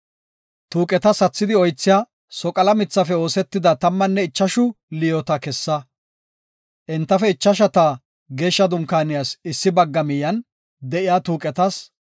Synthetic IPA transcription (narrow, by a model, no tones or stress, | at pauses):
t̪uːkʼɛt̪ɐsɐt͡sːɪd̪ɪɔjt͡sːɪjaː | sɔkʼɐlɐmɪt͡sːɐfɛo̞ːsɛt̪ːɪd̪ɐt̪ɐmːɐnːɛɪt͡ʃːɐʃʊ | lɪjɔt̪ɐkɛsːɐ | ʔɛnt̪ːɐfɛɪt͡ʃːɐʃ̬ɐt̪aː | ɡe̞ːʃːɐd̪ʊŋkaːnɪjaːsɪsːɪbɐɡːɐmɪjɐn | d̪ɛʔɪjaːt̪uːkʼɛt̪ɐs